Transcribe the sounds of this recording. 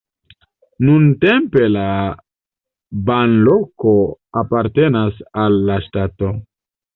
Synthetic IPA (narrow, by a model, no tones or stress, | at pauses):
nunte̞mpe̞la | banlo̞ko̞apaɾte̞nasalːaʃtato̞